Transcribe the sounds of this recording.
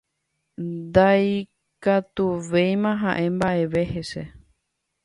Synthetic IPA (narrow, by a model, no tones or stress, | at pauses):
d̪aj | kat̪uʋe̞jmãɦãʔẽ̞mbaʔe̞ʋe̞he̞se